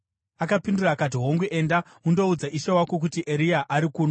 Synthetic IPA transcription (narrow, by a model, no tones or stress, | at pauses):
akapinduraːkat̬iɦo̞ŋɡuʔenda | undo̞ud͡zaʔiʃewakok̬utiʔeɾiaʔaɾikuːno